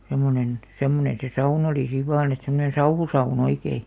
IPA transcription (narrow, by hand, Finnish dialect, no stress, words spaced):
semˑonen semːonẽː se sɑun oliˑ siʋ̆ ʋɑːn et semːonẽː sɑuhusɑun oikei